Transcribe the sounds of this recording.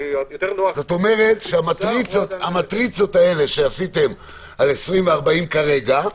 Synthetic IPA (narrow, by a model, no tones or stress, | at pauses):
t̪enozot̪o̞me̞ʁe̞t̪ʃeamatʁit͡sotamat̪ʁit͡so̞tae̞le̞ʃe̞asite̞m | ale̞sʁimveaʁbaimkaʁe̞ɡa